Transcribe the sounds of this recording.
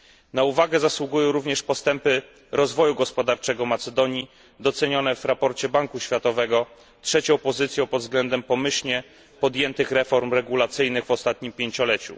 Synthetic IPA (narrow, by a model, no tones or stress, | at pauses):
nauvaɡɛzaswuɡujɔ̃w̃ɾuvɲɛʂpɔst̪ɛmpɘ | ɾɔzvɔjuɡɔspɔd̪aɾt͡ʂɛɡɔmat̪sɛd̪ɔɲi | d̪ɔt̪sɛɲɔnɛvɾapɔɾt͡ɕɛbaŋkuɕfʲjat̪ɔvɛɡɔ | tʂɛt͡ɕɔ̃w̃pɔzɘt̪sʲjɔ̃w̃pɔd̪vzɡlɛnd̪ɛmpɔmɘɕɲɛ | pɔd̪jɛnt̪ɘxɾɛfɔɾmɾɛɡulat̪sɘjnɘɣvɔst̪at̪̚ɲimpʲjeɲt͡ɕɔlɛt͡ɕṵ